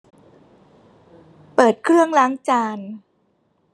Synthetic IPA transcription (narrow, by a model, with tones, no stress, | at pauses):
pɤː˨˩t̪̚kʰɾɯ˥˩əŋlaː˦˥ŋt͡ɕaː˧n